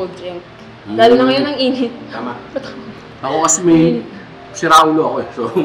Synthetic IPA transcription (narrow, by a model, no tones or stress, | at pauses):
obd͡ʒɛ | d̪aːlolɐŋɐjonɐŋʔiːnɪt̪̚aːma | ɐkokɐsɛmɐj | sɪɾaʊloɐkoɛso